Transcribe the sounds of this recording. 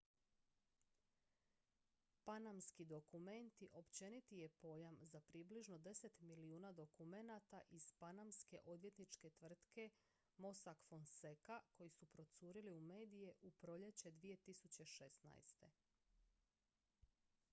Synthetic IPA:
panamskid̪o̞kume̞nt̪iʔo̞pt͡ɕe̞nit̪ije̞po̞jamzapɾibliʒno̞d̪e̞se̞t̪miliuːnad̪o̞kume̞nat̪aʔiz̥panamske̞̰ʔo̞d̪ʋje̞t̪nit͡ʃke̞t̪ʋr̩t̪ke̞ | mo̞sakfo̞nse̞kako̞jisupɾo̞t̪suːɾiliume̞ːd̪ije̞ʔupɾo̞ʎe̞t͡ɕe̞d̪ʋije̞t̪isut͡ɕe̞ʃesna̰jst̪e̞̰

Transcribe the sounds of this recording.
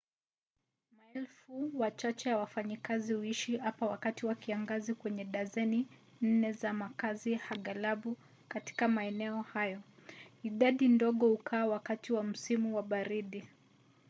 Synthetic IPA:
maɛlfuwat͡ʃat͡ʃɛjawafaɲikazihuiʃiapawakatiwakiaŋɡazikwɛɲɛɗazɛni | n̩nɛzamakazihaɠalaɓu | kati̥kamaɛnɛɔhajɔiɗaɗindɔɠɔhukʰaːwakatiwam̩simuwaɓaɾiɗi

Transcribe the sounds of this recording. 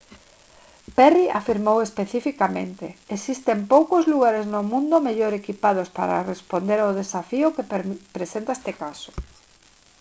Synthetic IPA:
pɛriʔa̰fiɾmowespeθifikamḛ̃nt̪eesist̪empowkozluɣaɾeznomũnd̪omeʎoɾekipað̞ospa̰ɾa̰respond̪eɾaʊð̞esafiʊkepɾesent̪aest̪ekasʊ̥

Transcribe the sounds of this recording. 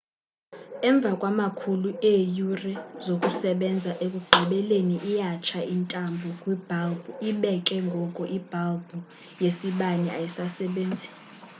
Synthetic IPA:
ɛɱb̪vʱakʼwamakʰuluejurɛzokʼusɛɓɛnd͡zʱaʔek̬ʼuɡ͡ǃʱɛɓɛleniʔːjat͡ʃʰaintʼambʱɔkʼwib̥ʱalbuiɓɛkʼɛŋɡʱɔkʼɔʔib̥ʱalbʱu | jesiɓanɛa̰jisasɛɓeːnd͡zʱi

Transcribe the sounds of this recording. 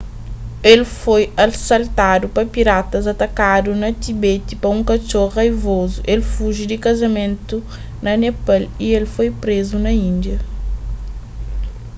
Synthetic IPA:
elfojɐlsalt̪ad̪upɐpiɾat̪ɐzɐt̪ɐkad̪unɐt̪ibet̪ipɐũŋkɐt͡ʃoʁajvozuʔelfuʒid̪ɪkɐzɐmẽnt̪u | nɐnɛpalielfojpɾezunɐĩnd̪jɐ

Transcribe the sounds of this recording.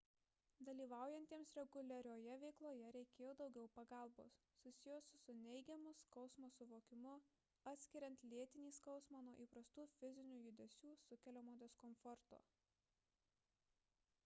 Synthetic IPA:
d̪ɐlʲiːʋɑˑʊjɛnʲt̪ʲiɛmsɾʲɛɡʊlʲɛɾʲoːjɛʋʲɛɪklˠoːjɛɾʲɛɪkʲeːjoːd̪ɒʊɡʲɛʊpɐɡɑˑlˠbo̰ːs | sʊsʲɪjoːsʊsʊnʲɛɪɡʲɛmʊskɒʊsmoːsʊʋoːkʲɪmʊ | ɐt̪ʲsʲkʲɪɾʲɛnt̪ʲlʲiɛt̪ʲɪnʲiːskɒʊsmɑːnuɔʔiːpɾɐst̪uːfʲɪzʲɪnʲuːjʊd̪ʲɛsʲuːsʊkʲɛlʲoːmoːd̪ʲoːskɔmfɔɾt̪o̰ː

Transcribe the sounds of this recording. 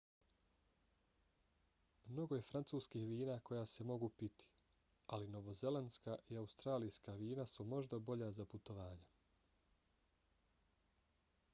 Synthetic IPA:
mno̞ɡoje̞fɾant̪suːskixʋiːnaːko̞jaːse̞mo̞ɡupit̪i̥ | alino̞ʋo̞ze̞lanskaːʔiaust̪ɾaːlijskaʋiːnasumo̞ʒd̪abo̞ʎazaput̪o̞ʋaːɲe

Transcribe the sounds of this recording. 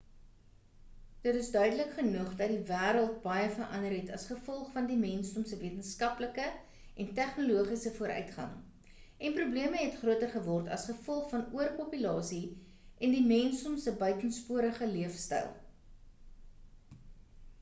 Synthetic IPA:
d̥ətəsdœɥdələkχənəχdɐt̚divæːɾəlˠt̚bɐjəfərʔɐ̰ndəɾɦɛtɐ̰sχəfɔlˠχfɐndimɛnsɔmsəviətənskɐpləkə | ʔɛntæχnuluəχisəfuəɾʔœ̰ɥtχɐ̰ŋ | ʔɛnprubliəməɦɛtχruətərχəvɔrtɐ̰sχəfɔlˠχfɐnuərpopylɑːsi | ʔɛndimɛnsɔmsəbœɥtənspuəɾəχəliəfstɛ̰lˠ

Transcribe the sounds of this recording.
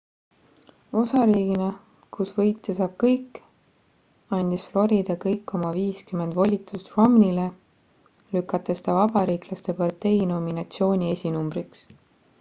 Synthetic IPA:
o̞sɑɾiːɡ̥inɑ | kusvɤjt̪ːˑesɑb̥̚kɤjkː | ɑnʲd̪̥isflo̞ɾid̪̥ɑkɤjkːo̞mɑviːskymːend̪vo̞lʲit̪ːˑust̪ro̞mnile̞ | lykːˑɑt̪ːˑest̪ɑvɑb̥ɑɾiːklɑst̪e̞pɑrt̪e̞jno̞minɑt̪sio̞ːnʲie̞sʲinumbriks

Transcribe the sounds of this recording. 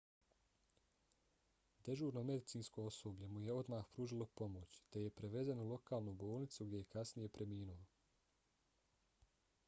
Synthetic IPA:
d̪e̞ʒuːɾnome̞d̪it̪siːnskoosoːbʎe̞mujeo̞d̪maːxpɾuːʒilˠo̞po̞mot͡ɕt̪e̞je̞pɾeʋe̞zenulˠo̞kaːlˠnubo̞ːlˠnit̪suɡd̪ʲje̞je̞kasnije̞pɾʔe̞miːnuʋo

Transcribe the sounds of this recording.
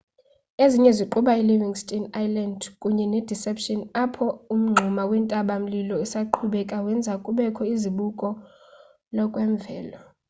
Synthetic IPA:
eziɲɛziǃuɓailiviŋstʼinajlandkʼuɲɛnɛd̥ʱisɛpʃɔnapʰɔum̩ŋ͡ǀʱumawɛntʼaɓam̩lilɔɛsaǃʰuɓɛkʼawɛnd͡zʱakʼuɓɛkʰɔiziɓukʼɔ | lɔkʼwɛɱb̪vʱɛːlɔ

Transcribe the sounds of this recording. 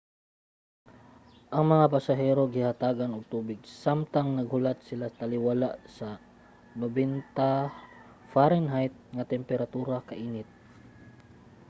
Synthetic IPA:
ʔɐŋmɐŋapasaɦɛɾoɡɪhat̪aːɡanʊɡ̚t̪uːbɪɡ̚samt̪aŋnɐɡ̚hʊlat̪̚sɪlat̪alɪwalaʔsɐ | nobɛnt̪a | faɾɛnɦajt̪̚ŋat̪ɛmpɛɾat̪uːɾakɐʔiːnɪt̪̚

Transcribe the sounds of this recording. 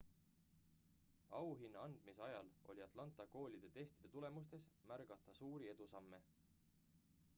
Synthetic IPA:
ɑwɦinːɑɑnd̪̥miseɑjɑ̰lo̞̰lʲiɑt̪ˑlɑnt̪ˑɑko̞ːlʲid̪̥e̞t̪e̞st̪id̪̥et̪ule̞must̪e̞smærɡ̥ɑt̪ːˑɑsuːɾie̞d̪̥usɑmːe̞

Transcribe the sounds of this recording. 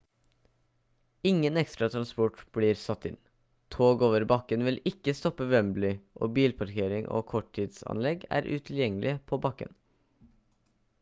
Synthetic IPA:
ɪŋːənɛkst̪ɾɑt̪ʰɾɑnspɔʈb̥liːɾsɑt̪ːɪ̰n | t̪ʰoːɡoːʋəɾbɑkːənʋɪlɪkːəst̪ɔpːəʋœmblɪʔoːbiːlpʰɑɾkʰeːɾɪŋʔo̰ːkʰɔʈʰːiːd̪sɑ̰nlɛɡæ̰ːɾʔʉ̰ːt̪ʰɪljɛŋəlʔɪəpʰoːbɑkːə̰n

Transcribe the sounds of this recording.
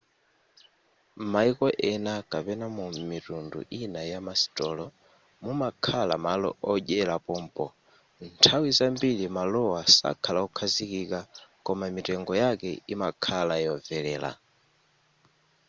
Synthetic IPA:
maikɔʔɛnakapɛnamumitundṵʔinajamasi̥tɔlɔ | mumakʰala̰malɔ̰ɔʄɛlapɔm̩pɔ | ntʰawizambilimalɔwasa̰kʰalaukʰazikikakɔmamitɛŋɡɔjakɛimakʰalajɔvɛlɛːla̰

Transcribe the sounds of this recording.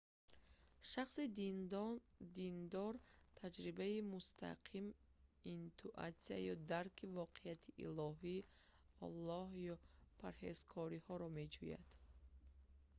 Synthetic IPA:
ʃaχsid̪ | d̪ind̪ɔɾt̪ʰad͡ʒɾibaimust̪ʰa̰qʰim | int̪ʰuʔa̰t̪sia̰jɔd̪aɾkʰivɔqʰeat̪ʰiʔḭlɔɦi | ɔ̰lˠːɔhjɔpʰaɾhḛz̥kʰɔɾihɔɾɔme̞d͡ʒuja̰d̪̥

